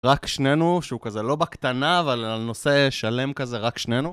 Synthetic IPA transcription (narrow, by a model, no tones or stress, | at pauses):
ʁakʃne̞nuʃeukazelo̞bakt̪anaːvalalno̞se̞ʃale̞mkaze̞ʁakʃne̞nu